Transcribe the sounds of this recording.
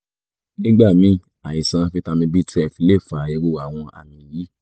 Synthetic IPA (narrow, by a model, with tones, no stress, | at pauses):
nĩ˦ɡ͡ba˦˨mĩ˨˧˦ | a˨jĩ˨sã˧fi˧ta˧mĩ˧bi˦tɛ˦˨fi˨˧˦le˦˨fa˨i˧ɾo˧˨a˨w̃ɔ̃˧ʔa̰˨mĩ˨jiː˨˦